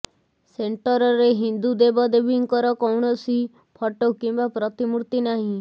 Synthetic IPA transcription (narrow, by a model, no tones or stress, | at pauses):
seɳʈɔɾɔɾeɦind̪ud̪ebɔd̪ebiŋkɔɾɔkɔwɽ̃ɔsi | pʰɔʈokimbapɾɔt̪imuɾt̪inaɦĩ